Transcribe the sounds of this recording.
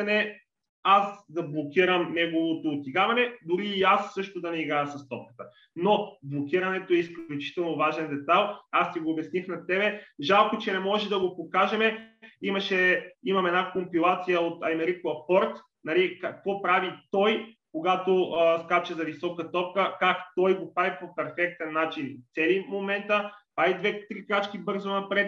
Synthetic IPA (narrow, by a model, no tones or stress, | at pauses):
ɐnɛ | asd̪ɐblˠokʲiɾəmnɛɡovot̪oːt̪iɡavɐnɛd̪ʊɾiːasːɤʃt̪od̪ɐnɛiɡɾaɐsɐst̪ɔp̚kə̥t̪ə | noblˠokʲiɾɐnɛt̪oɛisklʲut͡ʃi̥t̪ɛlˠnovaʒɛnd̪ɛt̪alˠast̪iɡoːbɛsnixnɐt̪ɛbɛʒalˠkot͡ʃɛnɛmɔʒɛd̪ɐɡopokaʒɛmɛimɐʃɛimɐmɛd̪nakompilˠat̪sijəot̪ɐjmɛɾikoɐpɔɾt̪ | nɐlikakvɔpɾavit̪ɔjkoɡat̪oskat͡ʃɛzɐvisɔkət̪ɔp̚kəkakt̪ɔjɡopɾavipopɛɾfɛk̚t̪ɛnːat͡ʃint̪sɛlimomɛnt̪ə | aid̪vɛt̪ɾikɾat͡ʃkibɤɾzonɐpɾɛt̪